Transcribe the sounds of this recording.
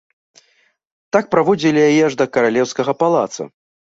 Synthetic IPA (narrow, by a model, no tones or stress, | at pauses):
t̪ak̚pɾavɔd͡zʲilʲijajɛʐd̪ɐkɐɾalʲɛwskɐɣɐpalˠa̰t̪sɐ̰